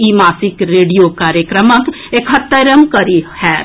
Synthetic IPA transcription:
imaːsikɾeːɖijokaːɾjəkɾəmək | ekɦɐt̪ːəɾəmkɐɾihɛː

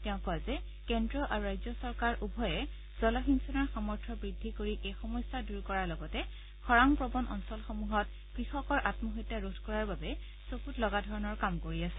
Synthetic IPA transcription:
tɛʊ̃pɔazɛ | kɛndɹɔʔaɹuɹajzɔsɔɹkaɹubʱɔjɛ | z̥ɔlaxinsɔnaɹxamɔɹtʰɔbɹidʱːikoɹiʔejxɔmɔjsaduɹkɔɹaɹlɔɡɔtɛ | xɔɹaŋpɹɔbɔnʔɔ̰nsɔlxɔmuɦɔt̚ | kɹixɔkɔɹʔatmɔɦɔtːaɹudʰʱkɔɹaɹbabɛ | sokutlɔɡadʱɔɹɔnɔɹkamkoɹiasɛ̥

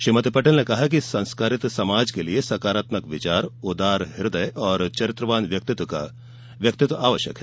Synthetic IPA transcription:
ʃimət̪pɐʈəlnekɐɦak̬isɐ̃nskaːɾɪt̪sɐmaːd͡ʒkeliesɐkaːɾaːt̪məkʋɪt͡ʃaːɾʊd̪aːɾɦɪɾd̪əjʔɔːɾt͡ʃɐɾɪt̪ɾəʋaːnʋjɐk̚t̪ɪt̪ka̰ | ʋjɐk̚t̪ɪt̪ʋaːʋəʃjə̰kɦɛː

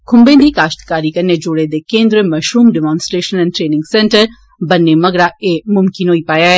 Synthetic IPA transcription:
kʰʊ̃mbẽːd̪ʱiːkaːʃt̪kaːɾikɐned͡ʒʊɽed̪ekẽːnd̪ɾemɐʃɾuːmɖɛmãːnsʈɾeːʃənɛ̃ːnʈɾeːnɪ̃ŋɡsɛ̃ɳʈəɾ | bɐnːemɐɡɽaeːmʊmkɪnɦoːipaːjaːɦɛː

